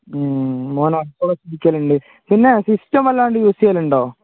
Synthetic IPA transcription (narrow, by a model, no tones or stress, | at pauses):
moːnɐɐk̪ːoɽɐsidikʲːɐaːluɳɖɨ | pinːesisʈɐmɐlːaːɳɖɨjuːsijaːluɳɖoː